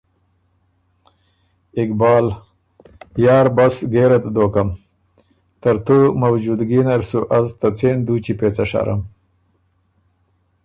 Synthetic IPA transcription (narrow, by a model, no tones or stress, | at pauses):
ɪkbɑːl | jɑːɾbasɡeɾat̪d̪okam | t̪əɾt̪omawd͡ʒud̪ɡinaɾsuʔazt̪at͡send̪ut͡ʃipet͡saʂa̰ɾa̰m